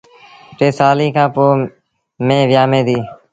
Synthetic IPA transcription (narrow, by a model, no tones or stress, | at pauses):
ʈeːsaːliːkãːpoː | mẽːʋjaːmẽːd̪iː